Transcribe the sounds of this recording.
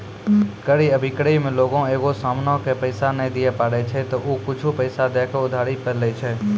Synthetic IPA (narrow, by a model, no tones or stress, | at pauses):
kəɽiːəbʱɪkɽəimẽːloːɡõeːɡosaːmnokepəɪsanẽd̪ɪjepaːɽet͡ʃʰet̪oːʔoːkʊt͡ʃʰupəɪsad̪eːkʰːʊd̪ʱaːɽipəɾlet͡ʃʰeː